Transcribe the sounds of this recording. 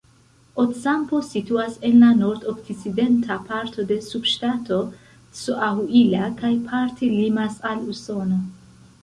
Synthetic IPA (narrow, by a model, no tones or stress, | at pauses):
otsampo̞sit̪uasenlanoɾt̪okt̪isid̪ent̪ʰapʰaɾt̪ʰo̞d̪e̞subʃtat̪ʰo | suʔahuilakajpʰaɾt̪ʰelimasaluso̞no